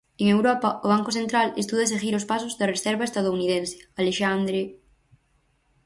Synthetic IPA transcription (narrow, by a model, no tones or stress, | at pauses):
eŋewɾɔpɐoβ̞aŋkʊθent̪ɾalḛst̪uðɐes̬eɣiɾʊspas̬ʊzðɐresɛɾβaest̪að̞ouniðensɪ̥aleʃand̪ɾe